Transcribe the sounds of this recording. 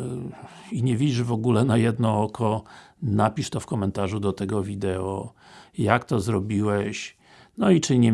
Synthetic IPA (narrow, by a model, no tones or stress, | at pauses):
iɲɛvʲid͡ʑiʐvɔɡulɛnajɛd̪nɔɔkʰɔnapʲiʂt̪ɔfkɔmɛnt̪aʐud̪ɔt̪ɛɡɔvʲid̪ɛɔ | jakt̪ɔzɾɔbʲiwɛɕ | nɔit͡ʂɘɲɛ